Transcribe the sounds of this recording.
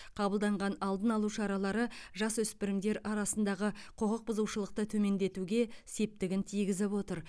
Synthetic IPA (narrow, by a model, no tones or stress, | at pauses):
qʰɑbəlˠd̪ɑɴʁɑnɑlˠd̪ənɑlˠuwʃɑɾɑlˠɑɾəʒɑswɵspɪɾɪmd̪e̞ɾɑɾɑsənd̪ɑʁəqʰoqəq̚bʊzuwʃəlˠəq̚t̪ət̪ʰɵme̞nd̪e̞t̪uɡʲe̞se̞p̚t̪ɪɡʲɪnt̪ʰijɡʲɪzɪpwo̞t̪əɾ